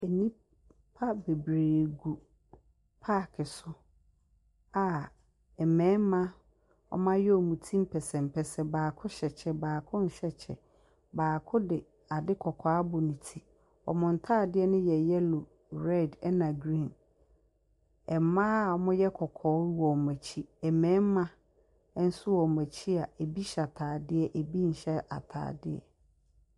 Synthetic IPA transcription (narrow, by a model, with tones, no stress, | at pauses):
ɛ˨nĩ˦ | pʰa˦be˨bɾeː˨ɡu˨ | pʰaː˦˨kʰɪ˨sʊ˦ | a˨ | ɛ˨mɛ̃ː˨˦mã˦ | ɔ̰˦mã˦jɛ˦ɔ˨mũ˨tʰĩ˦m̩˦pʰɛ˨sɛ̃˨m˨pʰɛ˨sɛ˨baː˨kʰʊ˦ɕɛ˨t͡ɕʰɛ˨baː˨kʰʊ̃˦n̩˨ɕɛ˨t͡ɕʰɛ̰˨ | baː˨kʰʊ˦dɪ˨ | a˨dɪ˦kʰɔ˨kʰaː˨a˦bʊ˨nĩ˨tʰi˦ | ɔ̰˨mʊ̃˨n̩˨tʰaː˦˨dɪ˦ɛ˦nʊ̃˦jɛ˨jɛ˦lʊ˨ | ɾɛ˦˨dɛ˦nã˨ɡɾĩ˨n | ɛ˨mã˦a˨ɔ˨mʊ̃˦jɛ˦kʰɔ˨kʰɔː˨˦wɔ˨mæ˨t͡ɕʰi˦ɛ˨mɛ̃ː˨˦m˦mã˦ | n̩˦sʊ˦wɔ˨mæ̃˨t͡ɕʰi˦a˨e˨bi˦ɕa˨tʰaː˨dɪ˦ɛ˨ʔe˨bi˦n̩˨ɕɛ˦ʔa̰˨tʰa̰ː˨dɪ˦ɛ̰˨